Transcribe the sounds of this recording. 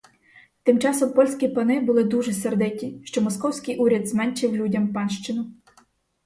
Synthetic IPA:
t̪ɪmt͡ʃɑsɔmpɔlʲsʲkʲipɐnɪbʊlˠɪd̪uʒɛserd̪ɪtʲiʃt͡ʃɔmɔskɔwsʲkɪjʔuɾʲɐd̪zmɛnʲt͡ʃɪwlʲudʲɐmpɑnʃt͡ʃɪnʊ

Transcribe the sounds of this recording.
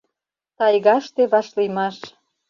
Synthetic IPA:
t̪ɑjɣɑʃt̪eβɑʃlimɑʃ

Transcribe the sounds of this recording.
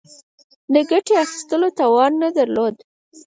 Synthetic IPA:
d̪əɡaʈeaxi̥st̪əlot̪ɑwɑnːad̪aɾlod̪

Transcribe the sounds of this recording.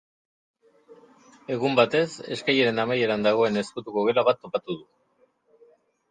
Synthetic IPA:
e̞ɣumbat̪e̞se̞̰skajeɾe̞namaje̞ɾand̪aɣ̞o̞e̞ne̞skut̪ukoɣe̞laβat̪ːo̞pat̪uð̞u

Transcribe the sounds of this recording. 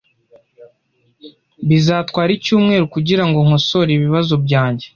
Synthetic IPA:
βizaːtwaːɾicuːmŋe̞ːɾukuɟiɾaŋɡo̞ŋ̥hoso̞ɾiβiβazobɟaːɲɟe̞

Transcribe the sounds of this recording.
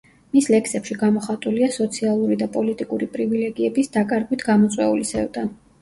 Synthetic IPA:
mislɛkʰsɛpʃiɡamɔχat̪ʼuliasɔt̪sʰialˠuɾid̪apʼɔlit̪ʼikʼuɾipʼɾivilɛɡiɛbisd̪akʼaɾɡwit̪ʰɡamɔt̪sʼwɛulisɛvd̪ʼan

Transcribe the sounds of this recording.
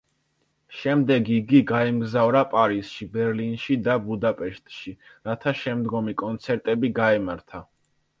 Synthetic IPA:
ʃɛmd̪ɛɡiɡiɡaimɡzavɾapʼaɾisʃibɛɾlinʃid̪abud̪apʼɛʃt̪ʼʃi | ɾat̪ʰaʃɛmd̪ɡɔmikʼɔnt̪sʰɛɾt̪ʼɛbiɡaɛmaɾt̪ʰa

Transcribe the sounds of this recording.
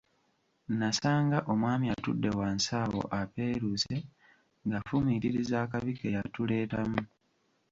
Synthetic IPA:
nasaːŋɡaʔo̞mwaːmiatudːe̞waːnsaːwo̞̰ʔape̞ːɾuze̞ | ŋɡafumiɾiɾizaːkaβikejatule̞ːtamu

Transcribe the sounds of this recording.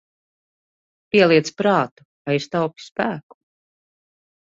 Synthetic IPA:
pʲiɛlˠiɛt̪spɾɑːt̪u̥kajist̪awpʲi̥spæːku̥

